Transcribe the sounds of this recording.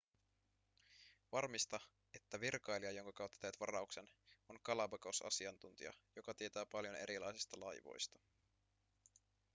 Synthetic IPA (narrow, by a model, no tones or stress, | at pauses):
ʋɑrmist̪ɑ | et̪ːæʋirkɑjliɑjo̞ŋkɑkɑwt̪ːɑt̪eʋt̪ʋɑrɑukseno̞ŋkɑlɑbɑkosɑ̰siɑnt̪unt̪ḭɑ̰jo̞kɑt̪iet̪æːpɑljo̞ne̞ɾilɑ̰jsist̪ɑlɑjʋo̞̰jst̪ɑ̥